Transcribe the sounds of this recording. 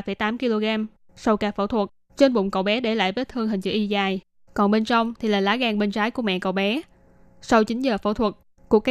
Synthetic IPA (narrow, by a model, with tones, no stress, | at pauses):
fə˧˩jt̪aː˨˦mki˧lo˧ɣaː˧m | sa˧wkaː˨˩fə̰˧˩wt̪ʰwə˨˩t̚ | t͡ɕe˧nɓʊ̰˧˨wŋ͡mkə̰˧˩wɓɛ˨˦ɗe˧˩la̰ː˧˨jvəː˨˦jt̪ʰɨ˧əŋɦï˨˩ŋ̟zɨ̰˧˨ʔi˧zaː˨˩j | kɔ˨˩nɓe˧nt͡ɕɔ˧wŋ͡mt̪ʰi˨˩laː˨˩laː˨˦ɣaː˧ŋɓe˧nt͡ɕaː˨˦jku˧˩əmɛ̰˧˨kə̰˧˨wɓɛ˨˦ | sa˧wt͡ɕï˨˦ŋ̟zəː˨˩fə̰˧˩wt̪ʰwə˨˩t̚ | ku˧˩əkː